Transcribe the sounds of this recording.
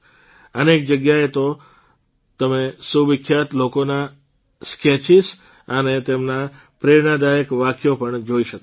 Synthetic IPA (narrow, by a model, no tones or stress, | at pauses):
ənek̚d͡ʒəɡjaet̪o | t̪əmesuʋɪkʰːjat̪lokona | sket͡ʃis | ənet̪emna | pɾeɳad̪ajəkʋakʰjopəɳd͡ʒoiʃək